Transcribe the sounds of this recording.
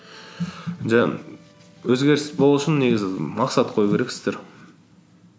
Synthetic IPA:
ʒæ | wɵzɡʲe̞ɾɪsbo̞lˠuʃɪnːe̞ɡʲɪzɪmɑqsɑt̪qʰo̞jukʰʲe̞ɾe̞ksɪ̥zd̪eɾ

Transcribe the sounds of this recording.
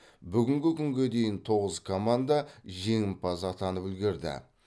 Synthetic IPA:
bʏɡʲɪŋɡʲɪkʲʰʏŋɡʲe̞d̪e̞jɪnt̪ʰo̞ʁəzkʰomand̪ɑʒe̞ŋɪmpʰɑsɑt̪ɑnəpɵlɡʲe̞ɾd̪ɪ̰

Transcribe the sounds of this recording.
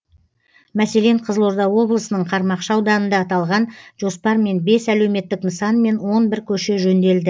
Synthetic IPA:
mæse̞le̞ɴqʰəzəlˠo̞ɾd̪ɑwo̞blˠəsənəɴqʰɑɾmɑqʃɑɑwd̪ɑnənd̪ɑːt̪ɑlˠʁɑnʒ̥o̞spɑɾme̞nbe̞sæle̞wme̞t̪ːɪknəsɑnme̞nwo̞nbɪɾkʲʰɵʃe̞ʒɵnd̪e̞ld̪ɪ

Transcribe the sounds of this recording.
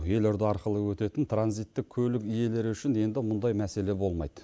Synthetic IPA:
je̞lʊɾd̪ɑɑɾqəlˠəwɵt̪e̞t̪ɪnt̪ʰranzijt̪ːɪkkʲkʲʰɵlɪkije̞le̞ɾʏʃɪne̞nd̪ɪmʊnd̪ɑjmæse̞le̞bo̞lˠmɑ̰jd̪ə

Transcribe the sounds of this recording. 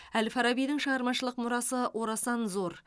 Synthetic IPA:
ælfɑɾɑbijd̪ɪŋʃəʁɑɾmɑʃəlˠəqmʊɾɑsəwʔo̞ɾɑsɑnzo̞ɾ

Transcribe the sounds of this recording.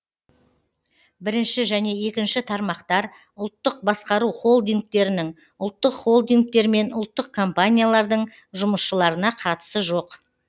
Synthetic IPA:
bɪɾɪnʃɪʒæne̞e̞kʲɪnʃɪt̪ʰɑɾmɑqt̪ɑɾ | ʊlˠt̪ːəq̚bɑsqɑɾuχo̞lˠd̪iŋk̚t̪e̞ɾɪnɪŋ | ʊlˠt̪ːəqχo̞lˠd̪iŋk̚t̪e̞ɾme̞nʊlˠt̪ːəq̚kʰo̞mpanʲijalˠɑɾd̪əɴ | ʒʊməsʃəlˠɑɾənɑqʰɑt̪ə̥səʒoq

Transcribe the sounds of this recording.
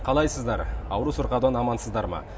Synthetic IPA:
qʰɑlˠɑjsəzd̪ɑɾɑwɾusʊɾqɑd̪ɑnɑmɑnsəzd̪ɑɾmɑ̰

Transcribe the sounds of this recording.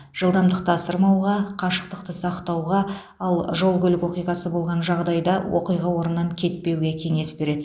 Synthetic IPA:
ʒ̥əlˠd̪ɑmd̪əq̚t̪əɑsəɾmɑwʁɑqʰɑʃə̥q̚t̪əq̚t̪əsɑqt̪ɑwʁɑ | ɑlˠʒo̞lˠɡʲʏlɪkwo̞qijʁɑsəbo̞lˠʁɑnʒɑʁd̪ɑjd̪ɑwʔo̰qijʁɑwo̞ɾənːɑŋkʲʰe̞t̪̚pe̞wɡʲe̞kʲʰe̞ŋe̞sbe̞ɾe̞d̪ɪ

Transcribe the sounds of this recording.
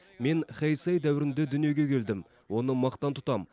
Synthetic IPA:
me̞nχejsɑjd̪æwɪɾɪnd̪ed̪ʏnije̞ɡʲe̞kʲʰe̞ld̪ɪm | wo̞nəmɑqt̪ɑnt̪ʰʊ̥t̪ɑm

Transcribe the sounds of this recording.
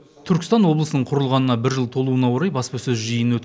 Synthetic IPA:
t̪ʰʏɾkʲɪst̪ɑnwo̞blˠəsənəɴqʰʊɾəlˠʁɑnənɑbɪɾʒəlˠt̪ʰo̞lˠuənɑwo̞ɾɑjbɑspɑsɵzʒəjənwɵt̪

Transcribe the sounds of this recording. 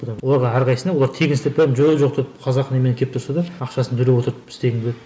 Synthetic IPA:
d̪ɑwo̞lˠɑɾʁɑæɾqʰɑjsənɑwo̞lˠɑɾt̪ʰe̞ɡʲɪnst̪epemʒoʒo̞q̚d̪epqʰɑzɑqːnemenɪŋkʲʰe̞p̚t̪ʰʊɾsɑd̪ɑɑqʃɑsənt̪ʰɵle̞wo̞t̪əɾəpɪ̥st̪e̞ɡʲɪŋbelʲed̪

